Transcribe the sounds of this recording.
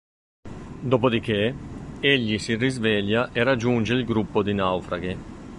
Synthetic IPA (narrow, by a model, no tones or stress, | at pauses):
d̪opod̪ikeeʎːisirizvɛʎːaʔerad͡ʒːund͡ʒeilɡɾupːod̪inawfɾaɡe